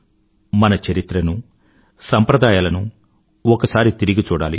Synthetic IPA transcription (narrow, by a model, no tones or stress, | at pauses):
mɐnɐt͡ʃɐɾit̪ɾɐnu | sɐmpɾɐd̪aːjaːlɐnu | ɔkɐsaːɾit̪iɾiɡit͡ʃuːɽaːlḭ